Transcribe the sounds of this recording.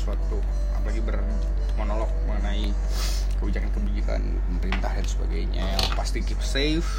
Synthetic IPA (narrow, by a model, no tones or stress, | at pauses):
suat̪u | a̰palaɡibər | t̪mənɔlɔk̚məŋənai | kəbid͡ʒakankəbid͡ʒika̰n | pəməɾint̪ahdansəba̰ɡajɲajaŋpast̪ikipse | f